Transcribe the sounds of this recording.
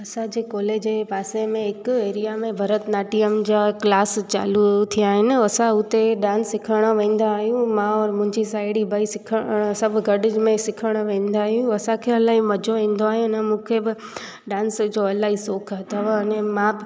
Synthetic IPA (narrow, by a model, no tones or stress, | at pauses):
ɐsãd͡ʑekɔːleːd͡ʑepaːsẽmẽɦɪkeːɾijamẽbʱɐɾət̪naːʈiəmd͡ʑaːklaːst͡ɕa̰ːlut̪ʰijaːɦɪnɪ̆ɐsãʊt̪eɗãːnsːɪkʰəɽ̃oʋẽːn̆d̪aːɦijũmãɔːɾmʊ̃ɦɪ̃ɲd͡ʑisaːɪɽibʱaisɪkʰəsɐbʱɡɐɖɪd͡ʑmẽsɪkʰəɽ̃oʋẽːn̆d̪aːɦijũɐsãkʰeɐlaːɦimɐd͡ʑoʋẽːn̆d̪oaːɦijũnɐmũːkʰebɪ | ɖãːnsd͡ʑoɐlaːɦisoːkʰɦɐt̪ʰaʋɐnẽmã